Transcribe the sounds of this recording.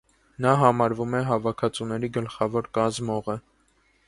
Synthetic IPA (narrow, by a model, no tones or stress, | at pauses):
nɑɦɑmɑɾvumɛɦɑvɑkʰɑt͡sunɛɾiɡəlχɑvɔɾkɑzmɔʁə